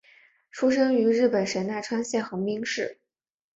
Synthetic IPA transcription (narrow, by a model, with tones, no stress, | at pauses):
ʈ͡ʂʰu˥ʂ̬ɤ˥ŋy˧˥ɻɻ̩˥˩pə˨˩nʂə˧˥nna˥˩ɪʈ͡ʂʰwa˥nɕjɛ˥˩nxɤ˧˥ŋmi˥ŋʂɻ̩˥˩